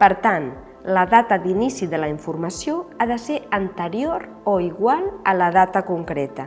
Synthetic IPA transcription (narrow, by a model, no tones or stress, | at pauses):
pəɾt̪an | ləðat̪əðinisiðələiɱfuɾməsjoaðəseɾənt̪əɾioɾ | oiɣwalˠələð̞at̪əkuŋkɾɛt̪ə